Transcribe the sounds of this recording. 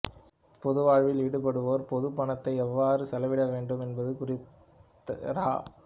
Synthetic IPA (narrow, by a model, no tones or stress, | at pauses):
pɔðɯʋaːɻʋɪlɪɽɯpɐɽɯʋoːɾpɔðɯpːɐɳɐt̪ːɐɪɛʋːaːɾɯsɐlɐʋɪɽɐʋeːɳɖɯmɛnbɐðɯkʊrɪt̪ː | ɐ̰ɾa̰ː